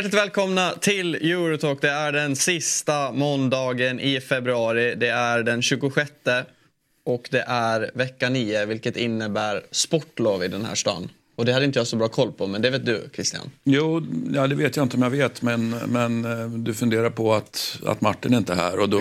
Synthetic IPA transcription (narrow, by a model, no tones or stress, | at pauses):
æʈlɪt̪vɛːlkʰɔmnat̪ʰɪljʉːɾʊt̪ʰoːkd̪ɛæɖɛnsɪst̪amɔnd̪ɑːɡənʔɪfɛbɾɵɑːɾɪd̪ɛæɖɛnɕʉ̟ːɡʊɧɛt̪ːə | ɔkd̪ɛʔæɾvɛkːaniːəvɪlkət̪ɪnːəbæːɾspɔʈːloːvɪd̪ɛnhæ̰ːʂʈɑ̰nː | ɔd̪ɛhad̪əɪnt̪əjasɔbɾɑːkʰɔlːpʰɔmɛnd̪ɛveːt̪d̪ɵ̰kʰɾɪst̪ɪa̰njuːjɑːd̪ɛveːt̪jaɪnt̪əɔmjaveːt̪mɛnmɛnd̪ɵfɵnd̪eːɾaɾpʰɔat̪a̰t̪maʈːɪnɛɾɪnt̪əɦæ̰ːɾɔd̪ɔ